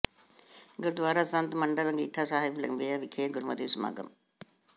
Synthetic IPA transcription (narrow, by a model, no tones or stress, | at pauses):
ɡuɾud̪ʋaːɾaːsant̪mɐɳɖɐɾɐŋɡiːʈʰːaːsaːɦeblɐ̰ŋbeːjaʋikʰeːɡuɾumɐd̪iʋsma̰ːɡɐ̰m